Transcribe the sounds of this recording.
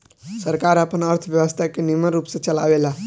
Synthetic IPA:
səɾkaːɾapənəɾt̪ʰəʋjɐʋəst̪ʰakenɪməɾuːpset͡ʃɐla̰ːʋela

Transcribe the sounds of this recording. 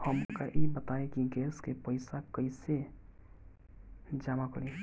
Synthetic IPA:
həmkaʔebət̪aẽkiɡɛːskepəɪsakəise | d͡ʒamakəɾe

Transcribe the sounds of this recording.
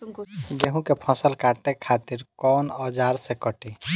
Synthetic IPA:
ɡeɦũkepʰɔ̃səlkaʈekʰat̪iɾkɔːnɔd͡ʒaːɾsekɔʈi

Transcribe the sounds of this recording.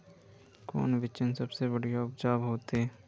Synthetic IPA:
ko̰ːnʋɪt͡ʃənsɐbsebɐɽijaʊpd͡ʒaːbɦoːt̪eː

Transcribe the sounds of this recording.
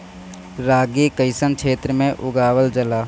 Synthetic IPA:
ɾaːɡikəɪsənkʰeːt̪ɾəmẽʔʊɡaːwəld͡ʒəlaː

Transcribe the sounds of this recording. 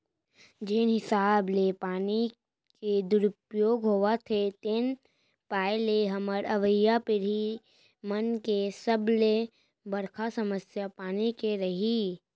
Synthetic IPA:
d͡ʒeːnɦɪsaːblepaːni | ked̪ʊɾʊpjoːɡɦoːat̪ʰet̪eːn | paːeleɦɐməɾɐʋəjːapɪɾɦi | mɐnkesəble | bəɾkʰasɐməsjapaːnikeɾɐɦi

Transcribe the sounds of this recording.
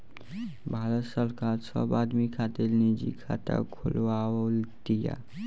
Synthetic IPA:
bʱaːɾət̪səɾkaːɾsə̰baːd̪mikʰaːt̪elnid͡ʒḭkʰa̰t̪a̰kʰʊlʋalt̪ija̰

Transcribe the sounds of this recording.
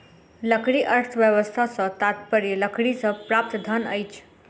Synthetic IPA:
ləkʰɽiʔəɾt̪ʰʋjəʋəst̪ʰat͡sət̪at̪pəɾjələkʰɽit͡səpɾap̚t̪d̪ʱənə̰jt͡ʃʰ

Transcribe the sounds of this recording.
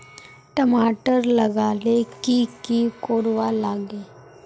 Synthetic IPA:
ʈəmaːʈəɾlɐɡaːlekikikoːɾʋalaːɡeː

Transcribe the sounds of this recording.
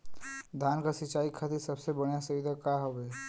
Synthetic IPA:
d̪ʱaːnkasɪt͡ʃaːikʰat̪isɐbsebəɽ̃jasəid̪ʱakaɦobeː

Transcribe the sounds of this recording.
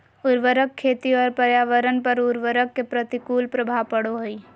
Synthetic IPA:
ʊɾʋəɾəkʰːeːt̪iɔːɾpəɾjaːʋəɾənpɐɾʊɾʋəɾəkːepɾət̪ikuːlpɾəbʱapəɽoɦʊi

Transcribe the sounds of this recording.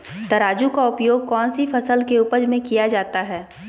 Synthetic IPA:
t̪ɐɾaːd͡ʒũkaʊpjoːɡ̚kɔːnsifʰɐsəlkeʊpəd͡ʒmẽkijad͡ʒaːt̪aɦɛː

